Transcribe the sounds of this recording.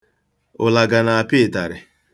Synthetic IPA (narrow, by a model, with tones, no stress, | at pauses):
ʊ˨la˨ɡa˨na˨a˨pɪ˦˨ta˨ɾɪ˨